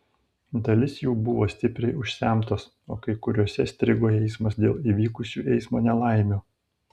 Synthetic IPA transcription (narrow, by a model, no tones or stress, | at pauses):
d̪ɐlʲɪsjuːbʊʋoːsʲt̪ʲɪpʲɾʲɛɪʊʃʲsʲæˑmt̪ɐs | o̰ːkɐɪkʊɾʲoɔsʲɛsʲt̪ʲɾʲɪɡoːɛɪsmɐsd̪ʲeːlˠiːʋʲiːkʊsʲuːʔɛɪsmoːnʲɛlˠɑˑɪmʲoː